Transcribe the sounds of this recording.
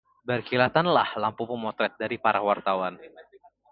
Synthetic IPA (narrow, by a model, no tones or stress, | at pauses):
barkilat̪anlahlampupumɔt̪ɾɛt̪̚daɾipaɾawart̪awan